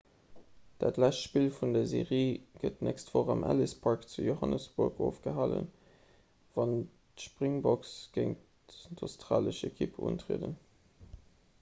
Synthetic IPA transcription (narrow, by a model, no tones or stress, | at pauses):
d̥aːtlæʃtʃpiːlfundɐzeːʁiːɡ̥ətnɛkstv̥oːʁɑmʔæ̰lispʰɑɹkt͡sujohɑnəsb̥uɐɡʰoːfɡ̥əɦɑlə̰n | vɑn | tʃpʁiŋbɔksɡ̥eɪŋt | dostʁaːləʃekʰipʰṵːntʁḛːdən